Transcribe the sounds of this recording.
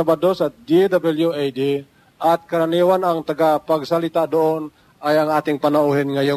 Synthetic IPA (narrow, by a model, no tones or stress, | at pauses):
abad̪osad̪id̪abɛljuajd̪i | ʔat̪̚kaɾaniwanaŋt̪aɡapaɡsalit̪ad̪oɔn | ajaŋat̪iŋpanauɦinŋajʊ